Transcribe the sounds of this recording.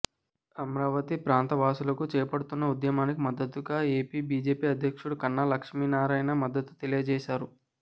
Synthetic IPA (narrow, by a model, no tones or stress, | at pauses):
ɐmɾaːʋɐt̪ipɾaːnt̪ɐʋaːsulɐkut͡ʃɛːpɐɽut̪unːɐud̪jɐmaːnikimɐd̪ːɐt̪ːuɡaːe̞ːpiːbiːd͡ʒeːpiːɐd̪ʱjɐkʂuɽukɐnːalɐkʂmiːnaːɾaːjnɐmɐd̪ːɐt̪u̥t̪elijɐd͡ʒɛːʃaːɾu